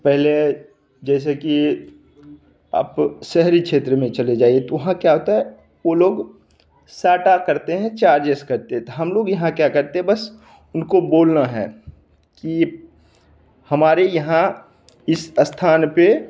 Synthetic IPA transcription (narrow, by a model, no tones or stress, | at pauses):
pɛɦle | d͡ʒɛːs̬eki | a̰ːpʃɛɦɾikʃʰeːt̪ɾəmẽt͡ʃɐled͡ʒaːiet̪oʋɐɦãkjaɦoːt̪aɦɛ | ʋoloːɡ | saːʈakɐɾt̪eɦɛ̃t͡ʃaːɾd͡ʒeskɐɾt̪eɦɛ̃t̪oɦɐmloːɡjɐɦãkjakɐɾt̪eɦɛ̃bɐs | ʊnkoboːlnaɦɛ̰ː | ki | hɐmaːɾejɐɦã | ɪsst̪ʰaːnpe